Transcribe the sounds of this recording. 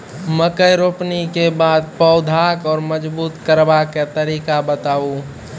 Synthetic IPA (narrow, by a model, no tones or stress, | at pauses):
məkəjɾoːpnikebaːd̪̚pəʊd̪ʱakɔːɾməd͡ʒbuːt̪kəɾbaket̪əɾiːkabət̪aːũ